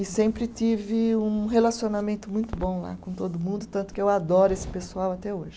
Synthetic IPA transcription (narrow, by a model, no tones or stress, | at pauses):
ɪsẽmpɾɪt̪ivɪũɦelasionamẽnt̪ʊmũj̃t̪ʊbõw̃la̰kõt̪od̪ʊmũnd̪ʊt̪ɐ̃nt̪ʊ̥kɪewad̪ɔɾʊesɪ̥pesuawat̪ɛoʒɪ